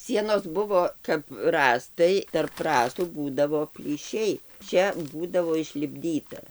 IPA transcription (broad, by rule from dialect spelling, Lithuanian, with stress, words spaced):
ˈsʲiɛnoːs ˈbʊʋoː kɐp ˈrɑːstɐɪ tɐrp ˈrɑːstuː ˈbuːdɐʋoː pʲlʲiːˈʃʲɛɪ ˈt͡ʃʲɛ ˈbuːdɐʋoː ɪʃʲlʲɪbʲˈdʲiːtɐ